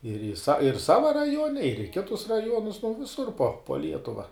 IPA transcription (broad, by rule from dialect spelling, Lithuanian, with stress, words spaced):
ɪr ɪr sɐ ɪr ˈsɑːʋɐ rɐˈjuɔnʲɛ ɪr ɪ ˈkʲɪtʊs rɐˈjuɔnʊs nʊ ʋʲɪˈsʊr poː poː ˈlʲiɛtʊʋɐ